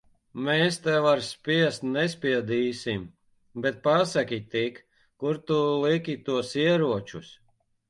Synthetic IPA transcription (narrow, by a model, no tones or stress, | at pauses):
mɛːst̪ɛvaɾspʲiɛst̪nɛspʲiɛd̪iːsim | bɛt̪̚pasakʲit̪ik | kuɾt̪ulˠikʲit̪uɔsiɛɾuɔt͡ʃus